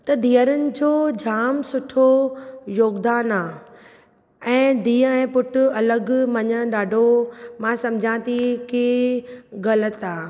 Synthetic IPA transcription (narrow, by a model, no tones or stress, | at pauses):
t̪ɐd̪ʱiːəɾənɪ̆d͡ʑoːd͡ʑʱaːmsʊʈʰojoːɡd̪aːnaː | ɛ̃ːd̪iːəɛ̃ːpʊʈʊɐləɡmɐɲə̆ɗaːɖʱomãsɐ̃md͡ʑʱãt̪ʰikeːɣɐlət̪aː